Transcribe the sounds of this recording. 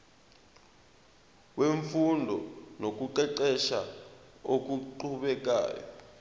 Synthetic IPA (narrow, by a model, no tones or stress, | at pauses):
weɱfundʱɔ̰nok̬uǃɛǃɛʃaok̬uǃuɓɛk̬a̰ːjɔ̰